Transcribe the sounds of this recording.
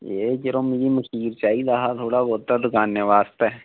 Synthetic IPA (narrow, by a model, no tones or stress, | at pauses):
eːkəɾomid͡ʒiməkʰiːɾt͡ʃaːid̪aːɦat̪ʰoːɽaboːt̪aːd̪ʊkaːnːəʋaːst̪ɛː